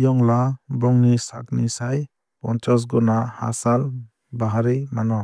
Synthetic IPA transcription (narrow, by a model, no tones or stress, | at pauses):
jɔŋlabɔŋnisa̰k̚nisaj | pɔ̰ntʰɔs̬ɡɔnaha̰sal | baɦaɾimanɔ